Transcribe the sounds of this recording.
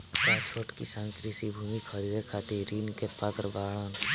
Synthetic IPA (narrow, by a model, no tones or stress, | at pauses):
paːspoɾʈkisãːnt̪ɾisibʱuːmikʰəɾid̪ekʰaːt̪iɾiːnkepaːt̪ɾəbaːɭəːn